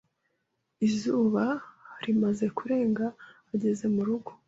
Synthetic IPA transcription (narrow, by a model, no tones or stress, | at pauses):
izuːβaɾimaze̞kuɾe̞ːŋɡaː | ɟe̞ze̞muɾuɡo̞̥